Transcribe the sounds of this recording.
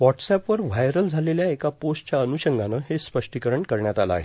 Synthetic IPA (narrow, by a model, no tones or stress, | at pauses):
ʋɔʈsɛpʋəɾʋajɾəld͡zʱaleljaekaposʈt͡ɕjaənuɕəŋɡʱanəɦespəʂʈikəɾəɳkəɾɳjat̪ala̰a̰ɦe